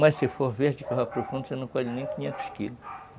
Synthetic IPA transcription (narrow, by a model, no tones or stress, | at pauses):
mɐssefohveɾd͡ʒɪkaɦapɾofũnd̪ʊsenɐ̃w̃kɔlɪnẽj̃kʲĩɲẽnt̪ʊ̥skilʊʃ